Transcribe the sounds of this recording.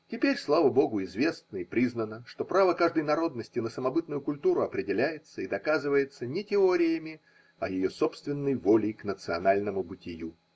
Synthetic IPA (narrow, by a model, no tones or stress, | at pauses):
tʲɪpʲeɾʲslˠavəbo̞ɡʊɪzvʲe̞snəɪpɾʲiznənəʂt̪o̞pɾavəkaʐd̪əjnɐɾo̞d̪nəsʲtʲɪnəsəmɐbɨt̪nʊjʊkʊlʲt̪uɾʊɐpɾʲɪdʲɪlʲæjɪt̪səid̪ɐkazɨvəjɪt̪sənʲɪtʲɪo̞ɾʲɪjəmʲɪ | ɐjɪjo̞so̞pst̪vʲɪnːəjvo̞lʲɪjknət̪sɨɐnalʲnəmʊbɨtʲɪju